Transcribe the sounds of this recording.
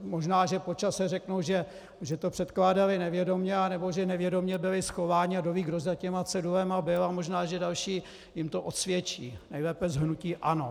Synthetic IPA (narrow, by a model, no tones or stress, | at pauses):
mo̞ʒnaːʒɛpot͡ʃasɛrɛknowʒɛ | ʒɛt̪opr̥ɛt̪klaːdalɪnɛvjɛdo̞mɲɛanɛboʒɛnɛvjɛdo̞mɲɛbɪlɪsxovaːɲɪadoviːɡɾozacɛmat͡sɛduvɛmabɪlamo̞ʒnaːʒɛdalʃiː | jɪmt̪oʔot̪svjɛt͡ʃḭːnɛjlɛːpɛzɦnuciːʔano̞